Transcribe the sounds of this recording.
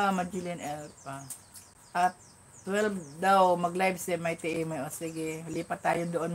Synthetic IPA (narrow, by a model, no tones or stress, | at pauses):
amɐd͡ʒilɪnɛlpa | ʔat̪ː | wɛlbd̪awmɐɡlajbsɛmɐjt̪ɪʔɪmɛʔoːsɪɡɛliːpɐt̪ːaːjod̪oʔon